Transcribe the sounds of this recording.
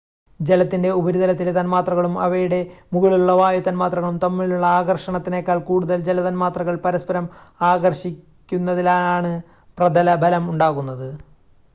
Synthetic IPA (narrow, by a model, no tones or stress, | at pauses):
d͡ʑelɐt̪ːinde̞ubɐɾuðɐlɐt̪ːilet̪ɐnmaːt̪rɐɣɐɭumɐ̰ʋɐjuɽe̞muɣiɭuluɭːɐʋaːjɐt̪ːɐnmaːt̪rɐɣɐɭumt̪ɐmːiɭiluɭːɐaːɣɐrʂɐɳɐt̪ːine̞kʲːaːɭkuːɽuðɐld͡ʑelɐðɐnmaːt̪rɐɣɐɭpɐɾɐspɐɾɐmaːɣɐrɕikʲːunːɐðilaːnaːɳɨ | prɐd̪ɐlɐbʱɐlɐmuɳɖaːɣunːɐðɨ